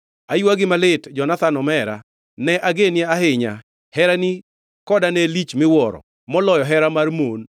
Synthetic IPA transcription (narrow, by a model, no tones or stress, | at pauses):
ajuaɡɪmalɪtd͡ʒɔnat̪anɔmɛɾa̰ | nɛʔaɡenɪɛaɦɪɲa̰ | hɛɾani | kɔdanɛlit͡ʃmɪwɔɾɔ̰ | mɔlɔjɔɦɛɾamarmon